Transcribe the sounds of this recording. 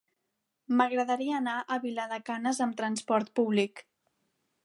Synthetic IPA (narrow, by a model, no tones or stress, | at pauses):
məɣɾəðəɾiəːnaʔəβiləðəkanəzəmt̪ɾənspɔɾt̪̚puβlik